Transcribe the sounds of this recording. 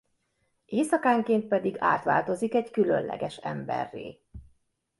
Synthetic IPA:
eːsɒkaːŋkeːnt̪̚pɛd̪iɡa̰ːt̪ʋaːlt̪o̞zikɛckylø̰nlʔɛ̰ɡɛʃɛ̰mbɛ̰rːḛː

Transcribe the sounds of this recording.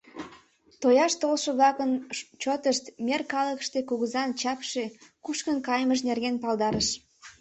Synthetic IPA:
t̪ojɑʃt̪olʃə̆βlɑkənt͡ɕot̪əʃt̪mʲerkɑləkʃt̪ekuɣəzɑnt͡ɕɑpʃekuʃkənkɑjməʃ̬nerɣenpɑld̪ɑɾəʃ

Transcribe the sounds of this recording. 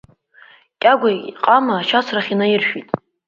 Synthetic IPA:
kʲʼaɡʷaqʼamaːʃat͡sʷʰraχʲinajɪrʃᶣitʼ

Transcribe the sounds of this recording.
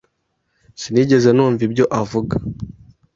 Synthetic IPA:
siniɟe̞zenuːɱvibɟo̞ʔavuɡa

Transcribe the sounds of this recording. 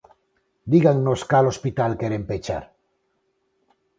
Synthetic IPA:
d̪iɣaŋnoskalo̞spit̪alkeɾempet͡ʃa̰ɾ

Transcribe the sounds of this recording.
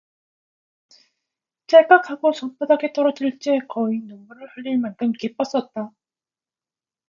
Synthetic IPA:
t͡ɕ͈eɭk͈ak̚ʰaɡosʌnp͈adaɡet͈ʌɾʌd͡ʑiɭt͡ɕ͈e̞kʌinomuɾɯɭhʌʎːiɭmankʰɯmkip͈ʌs͈ʌt̚t͈a

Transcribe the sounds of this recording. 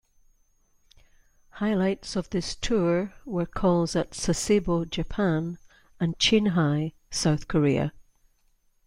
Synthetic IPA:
haɪlˠaɪtsəvðɪstʰuɹwə˞kʰɔlˠdətsəsebod͡ʒəpʰãn | ə̃nt͡ʃʰẽnɦaɪ | saʊθkʰəɹiə̰

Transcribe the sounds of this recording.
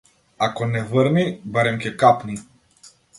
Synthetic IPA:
akɔnɛvəɾnibaɾɛmcʲɛkapni

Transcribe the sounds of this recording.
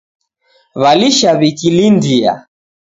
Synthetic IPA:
βaliʃaβikilindia̰

